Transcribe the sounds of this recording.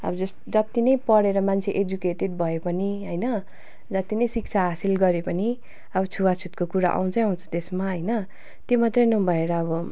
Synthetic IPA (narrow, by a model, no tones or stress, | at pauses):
ʌ̰bʌd͡zʌs | d͡zat̪ːinʌjpʌɽeɾʌmant͡sʰeʔed͡zukeʈed̚bʱʌepʌniɦʌjnʌ | d͡zʌt̪inʌjsik̚t͡sʰaɦasilɡʌɾepʌni | ʌbʌt͡sʰuwat͡sʰut̪̚kokuɾa̰ʔa̰w̃t͡sʰʌjʌũnt͡sʰʌ̥t̪esmaɦʌjnʌ | t̪jomat̪rʌjnʌbʱʌeɾʌːbʌ